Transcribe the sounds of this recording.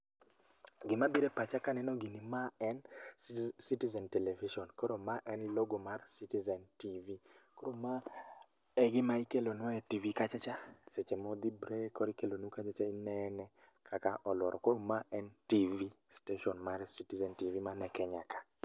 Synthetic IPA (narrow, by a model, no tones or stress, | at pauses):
ɡɪmabiɾepat͡ʃakanɛnɔɡinimaɛn | sitizɛntɛlɛviʃɔnkoɾomaʔɛnloɡomarsitizɛntivikoɾoma | ɛɡɪmaikelonɔɛtivikat͡ʃat͡ʃaset͡ʃemɔd̪ibɾekɔɾikelonukat͡ʃat͡ʃainɛnɛ | kʰakaʔɔlwɔ̰ɾɔkoɾomaʔɛntivi | steʃɔnmaɾsitizɛntivimanɛkɛɲakḁ